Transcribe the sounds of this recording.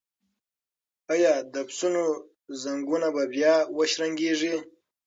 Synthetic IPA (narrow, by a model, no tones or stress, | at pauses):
ajɑd̪apsuno | zaŋɡunababjɑwəʃɾaŋɡeʐi